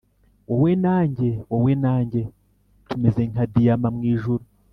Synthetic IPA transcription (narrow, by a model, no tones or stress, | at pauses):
wowenaːɲɟe̞wowenaːɲɟe̞ | tumeze̞ŋkadijamamŋiːʒuɾu